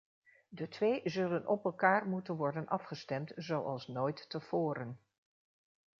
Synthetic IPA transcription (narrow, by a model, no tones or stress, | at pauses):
dətʋejzɵlənʔɔpɛlˠkaːɹmutənʋɔɹdənʔɑfχəstɛmtzowʔɑlˠsnojtːəv̥oːɾən